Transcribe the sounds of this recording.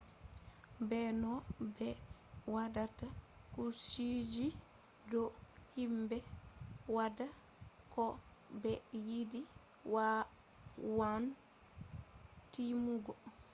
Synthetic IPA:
bɛnɔbɛ | wadata | kusid͡ʒi | dɔhimbɛwada | kɔ | bɛjidi | wa | wan | timuɡɔ

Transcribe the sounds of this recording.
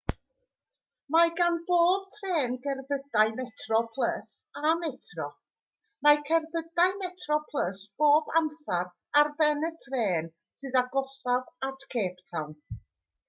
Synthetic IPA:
maɡanboːb̥̚tʰreːnɡɛrbədaɨmɛtʰrɔpʰlˠəsamɛtʰrɔ | makʰɛrbədaɨmɛtʰrɔpʰlˠəsb̥oːbamsaɾ | arbɛnətʰreːn | sɨðaɡɔsavatʰkʰeːptʰawn

